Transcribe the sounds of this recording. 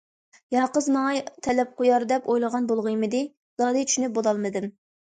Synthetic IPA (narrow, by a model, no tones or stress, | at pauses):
jɑqəzmɑŋɑt̪ʰɛlɛp̚qʰojɑɾd̪ɛpojlˠəʁɑnbolˠʁɨjmɪd̪ɪ | z̥ɑd̪ɨt͡ʃʰy̥ʃnyp̚bolɑlˠmɨd̪ɪm